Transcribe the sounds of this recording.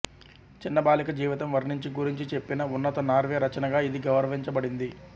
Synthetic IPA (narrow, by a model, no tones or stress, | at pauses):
t͡ʃinːɐbaːlikɐd͡ʒiːʋit̪ɐmʋɐɾnuɲt͡ʃiɡuɾiɲt͡ʃit͡ʃe̞pːinɐunːɐt̪ɐnaːɾʋeɾɐt͡ʃɐnɐɡaːid̪iɡɐwɾɐʋiɲt͡ʃɐbɐɽind̪i